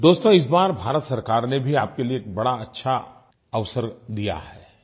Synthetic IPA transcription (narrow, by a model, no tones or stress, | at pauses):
d̪oːst̪õɪs̬baːɾbʱaːɾət̪sɐɾkaːɾnebʱiaːp̚kelieːk̚bɐɽaɐtːʃʰa | ɐʋsəɾd̪ija̰ɦɛː